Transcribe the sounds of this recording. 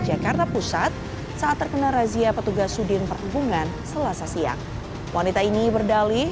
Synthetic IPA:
d͡ʒakart̪apusat̪̚ | saʔat̪ːərkənaɾaziapət̪uɡasudɪnpərhubuŋan | səlasasia̰ŋ | wanit̪ainibərdali

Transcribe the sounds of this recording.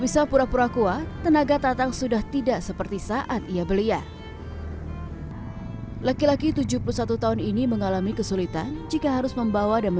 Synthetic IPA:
bisapuɾapuɾakuat̪ənaɡat̪at̪aŋsudaht̪idaʔsəpərt̪isaʔat̪ijabəlia | lakilakit̪ud͡ʒupulusat̪ut̪aɦʊniniməŋalamikəsulit̪a̰nd͡ʒikaɦaɾʊsməmbawadanmə

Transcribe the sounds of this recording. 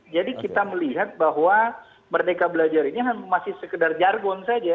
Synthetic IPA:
d͡ʒadikit̪aməliɦat̪̚baɦwa | mərdekabəlad͡ʒaɾiniɦanmasɪhsəkədard͡ʒarɡɔnsad͡ʒa

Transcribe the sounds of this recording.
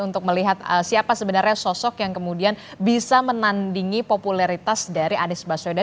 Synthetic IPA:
unt̪ʊk̚məliɦat̪̚əsiapasəbənarɲasɔsɔkjaŋkəmudianbisamənandiŋipopulaɾit̪asdaɾiʔanɪsbasoda

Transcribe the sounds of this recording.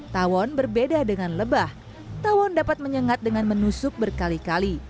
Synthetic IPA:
t̪awɔnbərbedadəŋanləbah | t̪awɔndapat̪̚məɲəŋat̪̚dəŋanmənusʊk̚bərkalikali

